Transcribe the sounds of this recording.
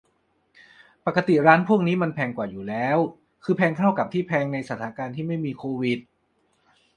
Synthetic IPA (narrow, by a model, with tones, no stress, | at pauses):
pa˨˩kːa˧t̪i˨˩ɾaː˦˥npʰu˥˩əŋniː˦˥ma˧npʰɛː˧ŋkwaː˨˩juː˨˩lɛː˦˥w | kʰɯː˧pʰɛː˧ŋk̪ʰa˥˩wka˨˩t̪ʰiː˥˩pʰɛː˧ŋna˧jsa˧˩t̪̚ʰːaː˩˦kaː˧nt̪ʰiː˥˩ma˥˩jmiː˧kʰoː˧wi˨˩t̪̚